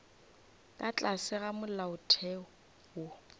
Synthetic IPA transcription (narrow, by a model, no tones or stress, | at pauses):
tʼat͡ɬʼasɪɣamʊllaʊtʰɛɔ | wo